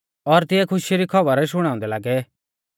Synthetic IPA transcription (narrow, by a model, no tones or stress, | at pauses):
ɔɾt̪ɪɛkʰʊʃɾikʰɔbəɾʃ̬ʊɽ̃ãːʊ̃nd̪ɛlaːɡɛ